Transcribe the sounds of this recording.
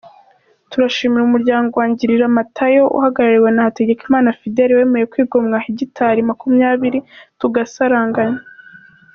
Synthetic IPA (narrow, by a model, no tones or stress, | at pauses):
tuɾaʃiːmiɾumuɾɟaːŋɡowaːɲɟiɾiɾamatʰajo̞ʔṵhaɡaɾaɾiwe̞nahate̞ɟe̞kimaːnafide̞ɾiwe̞ːme̞je̞kwiːɡo̞mŋahiɟitʰaɾimakumɲaːβiɾituɡasaɾaːŋɡaɲa